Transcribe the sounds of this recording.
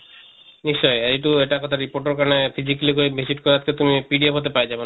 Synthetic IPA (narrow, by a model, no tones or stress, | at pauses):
niʃt͡ɕɔjaeʈueʈakɔt̪ʰaɾipoɾʈaɾkanefid͡ʑikalikoɾimisiʈkɔɾead͡ʑket̪umipiɖiaɦot̪epajd͡ʑaben